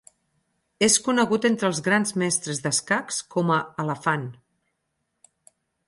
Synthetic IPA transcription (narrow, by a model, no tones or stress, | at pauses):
eskunəɣut̪ent̪ɾəlˠzɣɾanzmɛst̪ɾəzðəskakskɔməələfan